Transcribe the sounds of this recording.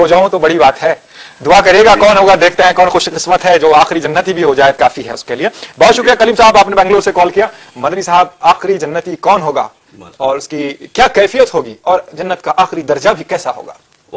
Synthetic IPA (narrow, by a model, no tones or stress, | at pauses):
ɦod͡ʒaːõt̪obɐɽibaːt̪ɦɛː | d̪ʊakɐɾeːɡakɔːnɦoːɡad̪eːkʰt̪eɦɛ̃kɔːnxʊʃqɪsmət̪ɦɛd͡ʒoːaːxɾid͡ʒɐnːət̪ibʱiɦod͡ʒaːekaːfiɦɛ̰ʊskeliebɔːt̪ʃʊkɾijakɐliːmsaːɦəbaːpnebɛ̃ːŋɡloːɾsekɔːlkijaː | mɐd̪ənisɐɦəbaːxɾid͡ʒɐnːət̪ikɔːnɦoːɡa̰ː | ɔːɾʊskikjaːkɛːfijət̪ɦoːɡiɔːɾd͡ʒɐnːət̪kaʔaːxɾid̪ɐɾd͡ʒabʱikɛːsaɦo̰ːɡa̰ː